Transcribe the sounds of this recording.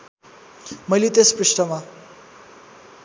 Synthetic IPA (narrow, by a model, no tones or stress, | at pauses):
mʌjlet̪espɾiʂʈʌma